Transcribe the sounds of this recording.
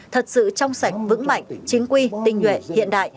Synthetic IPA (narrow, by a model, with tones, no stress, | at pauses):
t̪ʰə˨˩t̚sɨ̰˧˨t͡ɕɔ˧wŋ͡msa˧˩jk̟̚vɨ̰˧˥ŋma̰˧˨jŋ̟t͡ɕï˨˦ŋ̟kwi˧t̪ï˧ŋ̟hwḛ˧˨hḭ˧˨ənɗa̰ː˧˨jʔ